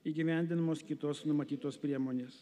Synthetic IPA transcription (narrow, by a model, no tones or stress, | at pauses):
iːɡʲɪʋʲæˑnʲd̪ʲɪnɐmoːskʲɪt̪oːsnʊmɐt̪ʲiːt̪oːspʲɾʲiɛmoːnʲeːs